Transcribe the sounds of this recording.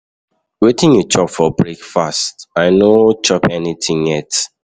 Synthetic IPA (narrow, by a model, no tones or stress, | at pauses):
wetɪ̃njut͡ʃɔpfɔbɹekfastaɪnot͡ʃɔpɛnitʰĩŋjɛt